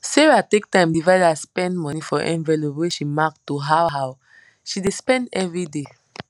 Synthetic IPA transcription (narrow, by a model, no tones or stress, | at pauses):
sɛɹatek̚tãɪ̃mdivaɪdaspɛ̃ndmɔ̃nifɔʔɛ̰̃nvɛlobeʃimak̚tuɦawɦaw | ʃidespɛ̃ndɛvɹide